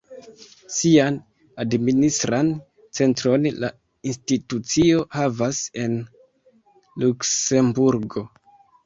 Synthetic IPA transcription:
sian | administɾan | t͡se̞ntɾo̞nla̰ | institut͡sio̞havase̞n | lukse̞mbuɾɡo̞

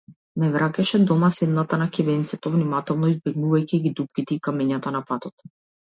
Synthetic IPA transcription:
mɛvɾakʲɛʃɛd̪ɔmasɛd̪nat̪anakʲɛbɛnt̪sɛt̪ɔvnimat̪ɛlˠnɔizbɛɡnuvajciɡid̪upkʲit̪ɛikamɛɲat̪anapat̪ɔt̪

